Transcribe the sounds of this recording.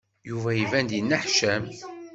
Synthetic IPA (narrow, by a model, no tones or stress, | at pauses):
juvæivænd̪jənːəħʃæm